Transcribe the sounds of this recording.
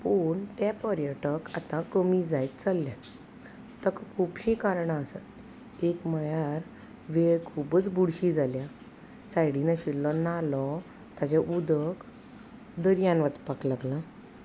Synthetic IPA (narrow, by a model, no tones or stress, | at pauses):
poɳt̪japəɾjəʈəkat̪ãkəmid͡zajt̪t͡salːjat̪ː | əkkʰuːpɕĩkaɾɳaːsə̰t̪ | ekmajaɾ | ʋeɭkʰubət͡sbuɽɕid͡zalja | sajɽinəɕilːɔnalɔ | t̪at͡ɕaʔud̪ək | d̪əɾjãnʋat͡spaklaɡlã